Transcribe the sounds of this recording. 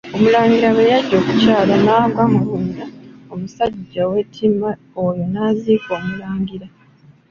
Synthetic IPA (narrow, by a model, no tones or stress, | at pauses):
o̞mulaːŋɡiɾaβejaɟːo̞ːkucaːlanaːɡwamuhundaomusaɟːawe̞tʰima | ojonaːziːko̞ːmulaːŋɡiɾa